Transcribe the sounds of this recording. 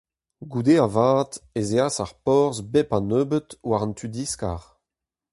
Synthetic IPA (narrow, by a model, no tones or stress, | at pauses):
ɡud̪eavaːtezeasaʁpɔʁzbɛpãnøːbət̪waʁɑnt̪ʰyd̪iska̰ʁ